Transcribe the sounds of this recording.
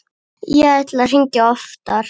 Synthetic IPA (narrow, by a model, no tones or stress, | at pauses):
jɛɣajt̪lar̥iɲcaɔft̪aɾ̥